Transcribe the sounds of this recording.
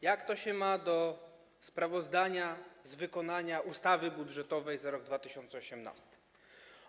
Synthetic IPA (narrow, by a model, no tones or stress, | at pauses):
jakt̪ɔɕɛmad̪ɔ | spɾavɔzd̪aɲazvɘkɔnaɲaʔust̪avɘbudʐɛt̪ɔvɛjzaɾɔɡ̚d̪vat̪ɘɕɔnt̪sɛɔɕɛmna̰st̪ɘ̥